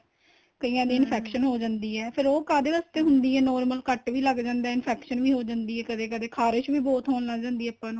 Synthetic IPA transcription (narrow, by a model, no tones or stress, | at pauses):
kəiːãːd̪iːɪnpʰɛːkʃənɦoːd͡ʒãːnd̪iːɛːpʰɪɾoːkaːd̪eːʋəst̪eːɦʊnd̪iːɛːnɔːɾməlkəʈʋiːləɡd͡ʒãːnd̪aːɪnpʰɛːkʃənʋiːɦoːd͡ʒãːnd̪iːɛːkəd̪eːkəd̪eːkʰaːɾɪʃʋiːboːt̪ɦoːnlaːd͡ʒãːnd̪iːɛəpːãːn